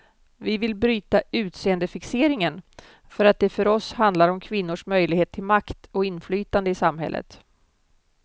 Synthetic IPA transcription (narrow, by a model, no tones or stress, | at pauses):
vɪvɪlbɾyːt̪aʉ̟ːt̪seːənd̪əfɪkseːɾɪŋən | fœɾat̪̚d̪ɛfœɾɔshand̪laɾɔmkʰvɪnːʊʂmœjlɪɡheːt̪ʰːɪlmakt̪ɔɪnːflyːt̪and̪əɪsamɦɛ̰lːə̰t̪